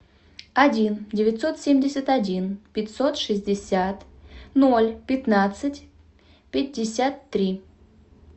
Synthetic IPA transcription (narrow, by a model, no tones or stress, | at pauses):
ɐdʲindʲɪvʲɪt̪ʲso̞t̪sʲemʲdʲɪsʲət̪ɐdʲinpʲɪtʲso̞t̪ʂɨzʲdʲɪsʲat̪no̞lʲpʲɪt̪nat̪sɨtʲ | pʲɪdʲːɪsʲat̪ːɾʲi